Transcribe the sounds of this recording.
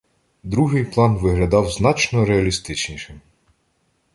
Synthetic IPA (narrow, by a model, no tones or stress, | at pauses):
d̪ɾuɦɪjplˠɑnʋɪɦlʲɐd̪ɑwznɑt͡ʃnɔɾeɐlʲist̪ɪt͡ʃnʲiʃɪm